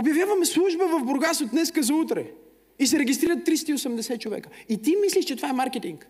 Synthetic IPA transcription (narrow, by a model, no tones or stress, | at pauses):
objɐvʲjavɐmɛslˠuʒbəvɐvboɾɡasot̪nɛskəzɐut̪ɾɛ̰ | isɛɾɛɡʲist̪ɾiɾət̪ːɾist̪əiosɛmd̪ɛsɛt͡ʃovɛ̰kə̥it̪imislʲiʃt͡ʃɛt̪ovaɛmaɾkɛt̪iŋk